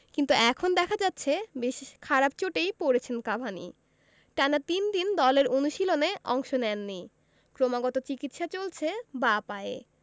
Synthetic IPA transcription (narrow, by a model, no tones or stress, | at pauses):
kint̪uɛkʰond̪ɛkʰad͡ʑatːɕʰebeʃikʰaɾabt͡ɕoʈejpoɾet͡ɕʰenkabʱanḭ | ʈanat̪ind̪ind̪ɔleɾonuʃiloneʔɔŋʃonɛnːi | kɾomaɡɔt̪ot͡ɕikit̪ʃat͡ɕolt͡ɕʰebapae